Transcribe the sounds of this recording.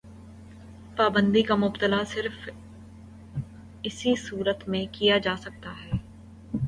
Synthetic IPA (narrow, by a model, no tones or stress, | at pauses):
paːbə̃nd̪ikamʊbt̪əlasɪɾf | ɪsisuːɾət̪mẽkijad͡ʒaːsɐk̚t̪aɦɛː